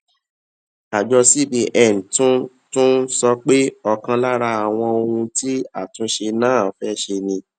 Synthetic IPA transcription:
a˨d͡ʒɔ˧si˦bi˧ʔɛ˦˨n˨tũ˦ | tũ˦sɔ˧k͡pe˦ɔ˧kã˧la˦ɾa˧a˨w̃ɔ̃˧o˧hũ˧tʰi˦a˦˨tũ˨˦ʃe˧nãː˦˨fɛ˦ʃe˧nĩ˧

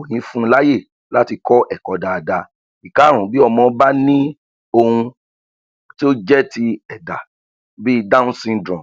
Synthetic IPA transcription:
o˨j̃ĩ˨˦fũ˦˧la˦je˦˨ | la˦ti˧kɔ˦ʔɛ˦˨kɔ˨˧da˨da˧ | i˨ka˨˦ɾ̃ũ˨bi˦ɔ˧mɔ̃˧˨˦ba˦nĩ˦ | o˧hũ˧ | ti˦o˦d͡ʒɛ˦ti˧ɛ˨da̰˨ | bi˦˧da˦ũ˦sĩ˧ndɾɔ̃˨m

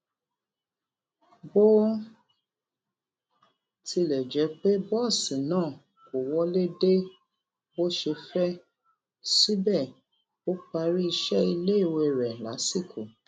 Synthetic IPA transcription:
bo˦ | ti˧lɛ˨d͡ʒɛ˨˧˦k͡pe˦bɔ˦˨sĩ˨nãː˦˨ | ko˨wɔ˦le˦de˦ | bo˦ʃe˧fɛ˦ | si˦bɛ˦˨ | o˦k͡pa˧ɾi˦i˧ʃɛ˦i˧le˦i˦˨wo˧˨ɾɛ˨la̰˨˦si˦˨kʰo˨

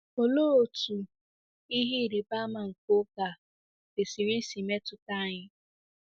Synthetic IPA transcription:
o˨loː˦o˨tu˨ | i˦ɦi˦˨ɾe˨ba˦ma˨ŋ̩˨ko˦ka˨ | de˨si˨ɾi˦si˨me˦tʊ˨ta˦˨ɲɪ˦

